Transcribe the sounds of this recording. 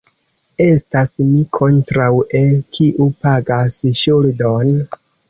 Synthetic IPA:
e̞stasmikʰo̞ntɾawelkʰiʔupaɡasʃuldon

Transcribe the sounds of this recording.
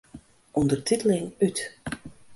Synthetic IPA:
ʔɔndərtʰitəlɪŋyt

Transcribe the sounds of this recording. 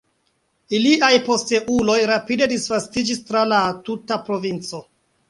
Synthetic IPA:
iliʔajpo̞ste̞ʔulo̞jɾapide̞disvastid͡ʒistɾalatutapɾo̞vint͡so̞

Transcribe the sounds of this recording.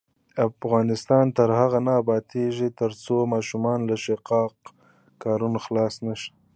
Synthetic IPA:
afɣɑnɪst̪ɑnt̪əɾhaɣanɑbɑt̪ʰeʒit̪əɾt͡somɑːʃumɑnlaʃeqɑq | kɑːɾunaxlɑsnaʃḁ

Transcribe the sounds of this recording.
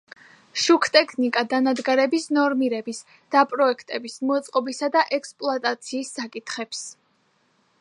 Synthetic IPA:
ʃukʰt̪ʼɛkʰnikʼad̪anad̪ɡaɾɛbisnɔɾmiɾɛbis | d̪̥apʼɾɔɛkʰt̪ʼɛbismɔt̪sʼqʼɔbisad̪aʔɛkspʼlˠat̪ʼat̪sʰiːsːakʼit̪ʰχɛps

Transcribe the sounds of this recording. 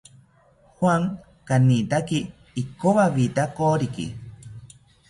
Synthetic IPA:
hwaŋ | kanit̪akiː | koβaβit̪akoɾikḭ

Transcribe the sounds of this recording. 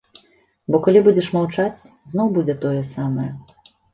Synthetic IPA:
bɔkalʲibud͡zʲɛʂmawt͡ʂat͡sʲ | znɔwbud͡zʲɛt̪ɔjɛsamɐjɛ

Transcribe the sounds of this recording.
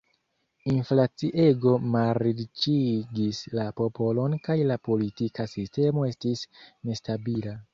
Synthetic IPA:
inflat͡siʔe̞ɡo̞maɾit͡ʃiɡislapo̞po̞lo̞nkajlapo̞litikasiste̞mo̞e̞stisne̞stabila

